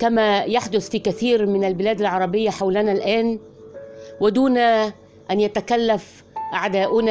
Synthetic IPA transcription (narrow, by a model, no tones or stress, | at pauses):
kamaːjaħd̪ʊθfiːkaθiːɾmɪnalbɪlæːd̪alʕɑɾˤɑbɪjːaħawlɪnalʔæːn | wɪd̪uːna | ʔanjat̪akalːaf | ʔaʕd̪aːʔʊn